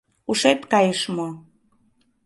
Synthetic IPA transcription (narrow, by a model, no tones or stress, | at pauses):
uʃet̪kɑjəʃmo